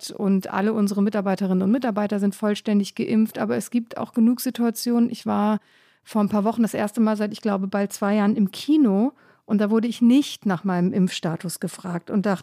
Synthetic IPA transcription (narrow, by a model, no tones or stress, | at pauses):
tʊ̰ntʔa̰ləʔʊnzəʁəmɪtaɐbaɪtəʁɪnənʊntmɪtaɐbaɪtɐzɪntfɔlʃtɛndɪçɡ̥əʔɪmftʔaːbɐɛsɡ̥iːp̚tʰa̰ʊxɡ̥ənuːkz̥ituat͡sjoːnənʔɪçv̥aːɐ | foːɐnpʰaːɐvɔχn̩dasʔḛːɐstəmaːlzaɪtɪçɡ̥laʊbəbalt̚t͡sv̥aɪjaːɐʁənɪmkʰiːno | ʔʊnt̚d̥aːvʊɐdəɪçnɪçtnaːχmaɪnəmʔɪmfʃtaːtʰʊsɡ̥əfʁ̥aːk̚tʊntd̥aχtə